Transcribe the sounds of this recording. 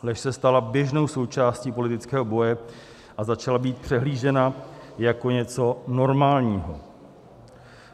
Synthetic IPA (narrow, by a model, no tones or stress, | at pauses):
lɛʃsɛst̪alabjɛʒno̞wso̞wt͡ʃaːsciːpo̞lɪt̪ɪt͡skɛːɦo̞bo̞jɛ | ʔazat͡ʃalabiːt̪̚pr̥ɛɦliːʒɛnajako̞ɲɛt͡so̞no̞ɾmaːlɲiːɦo̞̰